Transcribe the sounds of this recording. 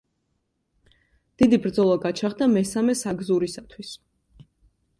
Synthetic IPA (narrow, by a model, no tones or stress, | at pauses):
d̪̥id̪ibɾd̪zɔlˠaɡat͡ʃʰaχd̪amɛsamɛsaɡzuɾisat̪ʰwis